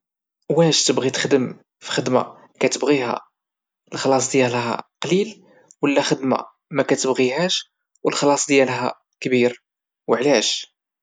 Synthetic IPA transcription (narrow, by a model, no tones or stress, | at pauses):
wæʃt̪əbɣit̪ə̥xd̪əm | fi̥xəd̪ma̰ | kæt̪əbɣiɦæ̰ | əlxlɑs̬ˤd̪jælɦæ̰qlil | wəlːæxəd̪ma̰ | mækæt̪əbɣiɦæʃ | wəlxlɑsˤd̪jælɦæ̰ | kbiɾ | wəʕlæʃ